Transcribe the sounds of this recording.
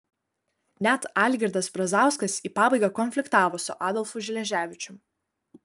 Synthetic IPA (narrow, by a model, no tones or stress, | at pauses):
nʲɛt̪ɑːlʲɡʲɪɾd̪ɐsbɾɐzɑˑʊskɐsiːpɑːbɐɪɡɑkɔnʲfʲlʲɪkt̪ɑːʋoːsʊʔɑːd̪ɔlˠfʊʒʲɪlʲɛʒʲæːʋʲɪt͡ʃʲʊm